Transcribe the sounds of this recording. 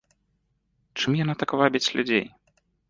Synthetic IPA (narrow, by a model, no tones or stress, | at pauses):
t͡ʂɨmjanat̪akvabʲit͡sʲlʲud͡zʲḛj